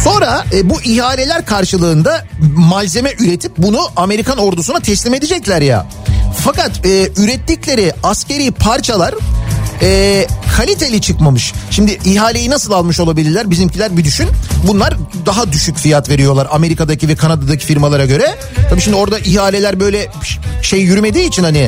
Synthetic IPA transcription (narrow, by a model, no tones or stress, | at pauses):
so̞nɾaɛbuʔiɦaːlʲe̞lʲæɾkʰaɾʃɯlˠɯːnd̪amalʲze̞mɛʔyɾet̪ʰip̚bunuʔame̞ɾikʰano̞ɾd̪usunat̪ʰɛslʲime̞d̪id͡ʒɛclʲæɾja̰ | fakat̪ɛːyɾɛt̪ːiclʲe̞ɾɪascʰe̞ɾijpʰaɾt͡ʃʰalˠaɾ | ɛːkʰalʲit̪ʰe̞lʲit͡ʃʰɯkmamɯʃʃimd̪ɪʔiɦaːlʲe̞jinasɯlˠalˠmɯʃo̞lˠabilʲiɾlʲæɾbizimcʰilʲæɾbid̪yʃynbunlˠaɾd̪aɦad̪yʃycfijat̪ve̞ɾijo̞lˠaɾame̞ɾikad̪acʰivɛkʰanad̪ad̪acʰi̥fiɾmalˠaɾaɟø̞ɾɛ | t̪ʰabiʃimd̪ioɾd̪aʔiɦaːlʲe̞lʲæɾbø̞jlʲɛʃe̞jjyɾyme̞d̪iːt͡ʃʰinhanɪ